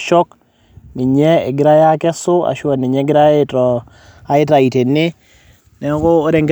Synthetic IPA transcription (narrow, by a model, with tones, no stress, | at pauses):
ʃɔ˦k | nɪ˨ɲɛ˦e˨ɡɪ˨ɾa˦ja˦kɛ˦sʊ˦a̰˨ʃwa˨nɪ˨ɲɛ˦ɡɪ˦ɾa˦jtɔ˨ | a˨ɪ˦ta˨i˨te˨nːɪ˦ | nɛ˨˦koː˦ɾe˨ŋɡ